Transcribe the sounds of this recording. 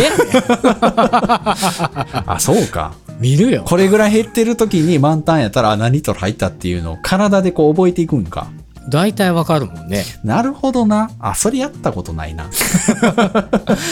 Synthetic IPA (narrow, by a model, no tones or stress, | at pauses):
e | a̰so̞ːka̰mʲiɾɯ̟joko̞ɾe̞ɡɯ̟ɾaiɦe̞t̪ːe̞ɾɯ̟t̪o̞kʲiɲ̟imãnt̪ãɰ̃jat̪ːaɾanaɲ̟it̪o̞ɾha̰it̪ːat̪ːe̞jɯ̟̰no̞̰ːkʰaɾad̪ad̪e̞ko̞ːbo̞et̪e̞ikɯ̟̃ŋka̰ | d̪ait̪aiβakaɾɯ̟mõnːenaɾɯ̟ho̞d̪o̞na̰ːso̞ɾe̞jat̪ːako̞t̪o̞na̰ḭna̰